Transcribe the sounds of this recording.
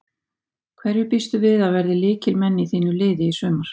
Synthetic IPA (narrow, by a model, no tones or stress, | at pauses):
kʰvɛɾjʏpist̪ʏvɪðavɛɾðɪlɪːcɪlmɛnːɪiθiːnʏlɪːðɪisœːmaɾ̥